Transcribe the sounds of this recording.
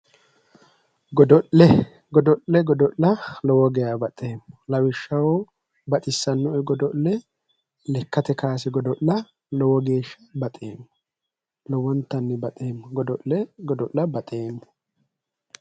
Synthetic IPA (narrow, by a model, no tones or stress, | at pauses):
ɡɔd̪ɔʔlɛ | ɡɔd̪ɔʔlɛɡɔd̪ɔʔlɐlɔwɔɡɛjaːbɐt̪ʼe̞ːmːɔlɐwɪʃːɐwɔ | bɐt̪ʼɪsːɐnːʊʔɛɡɔd̪ɔʔlɛ | lɛkːɐt̪ɛkaːs̬ɪɡɔd̪ɔʔːɐ | lɔwɔɡe̞ːʃːɐ̥bɐt̪ʼe̞ːmːʊ | lɔwɔnt̪ːɐnːɪbɐt̪ʼe̞ːmːʊɡɔd̪ɔʔlɛɡɔd̪ɔʔːɐbɐt̪ʼe̞ːmːʊ̥